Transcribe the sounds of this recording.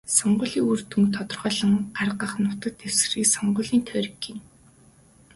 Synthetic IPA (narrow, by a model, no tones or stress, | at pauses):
sɔɴɢʊ̆ːɮiːŋurt̪uŋt̪ʰɔt̪ɞ̆rʁœːɮə̆ŋɢarɢə̆χnʊt̪ə̆t̪ːew̥sriːksɔɴɢʊːɮiːnt̪ʰœːɾʲɡin